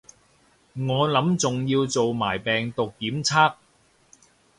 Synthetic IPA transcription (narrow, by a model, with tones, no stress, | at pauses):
ŋɔː˨˧lɐ˨˥mt͡sʊ˨ŋjiː˧wt͡so˨wmaː˨˩jpɛː˨ŋt̪ʊ˨kːiː˨˥mt͡sʰaː˥k̚